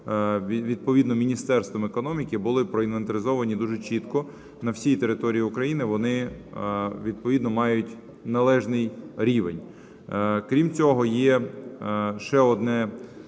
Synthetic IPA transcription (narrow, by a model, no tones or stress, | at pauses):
ʋʲid̪̚pɔʋʲid̪nɔmʲinʲist̪ɛrst̪ʋɔmekɔnɔmʲikɪbʊlˠɪpɾɔinʋɐnt̪eɾʲɪzɔʋɐnʲid̪uʒɛt͡ʃit̪kɔ | nɐwsʲijit̪eɾɪt̪ɔɾʲijiʊkɾɐjinɪʋɔnɪ | ʋʲid̪̚pɔʋʲid̪nɔmɑjʊtʲ | nɐlˠɛʒnɪjɾʲiʋenʲ | kɾʲimt͡sʲɔɦɔjɛ | ʃɛɔd̪nɛ